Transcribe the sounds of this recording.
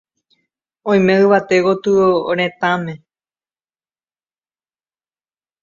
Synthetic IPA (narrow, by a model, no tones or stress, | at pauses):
õj̃mẽɨʋat̪e̞ɣot̪ɨɾ̃ẽ̞t̪ãmẽ̞